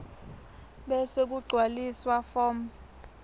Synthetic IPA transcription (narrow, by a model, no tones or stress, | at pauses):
ɓɛsek̬uɡ͡ǀʱwaliswafɔːm